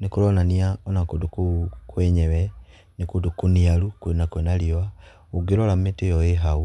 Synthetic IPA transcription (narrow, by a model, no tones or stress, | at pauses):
nikulonaniaonakudukukwɛɲeβɛ | nikudukunialukunakwenalioa | uɡiɾolammetejoeɦau